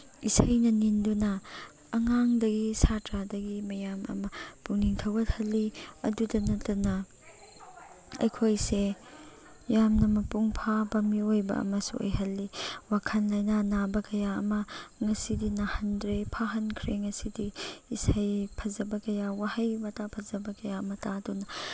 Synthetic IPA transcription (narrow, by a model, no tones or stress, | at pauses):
isajnɐnindunɐː | ŋaŋdɐɡisatɾadɐɡimɐjamɐ̰mɐpuŋniŋtʰɐwɐt̚hɐlːiɐ̰dudɐnɐtɐnɐ | ɐ̰jkʰojse | jamnɐmɐpuŋpʰabɐmiojbɐ̰ɐ̰mɐsṵʔo̰jɦɐlːiwakʰɐnlɐjnanabɐkɐjaɐ̰mɐŋɐsidinahɐndɾepʰaɦɐnkʰɾeŋɐsidiisajpʰɐzɐbɐkɐjawahɐjmɐtapʰɐzɐbɐkɐjaɐmɐtadunɐ